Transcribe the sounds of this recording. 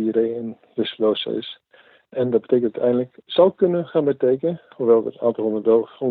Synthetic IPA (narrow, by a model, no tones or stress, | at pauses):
ireːən | ʋɪsəloːsə̰ɪ̰s | ɛndɑt̚bətejkənttɛ̰jndələksʌwˠkønəχaːnbətejkənəhuʋɛlˠə̰ta̰ːntlˠɦɔ̃nəʋɛlˠrɔ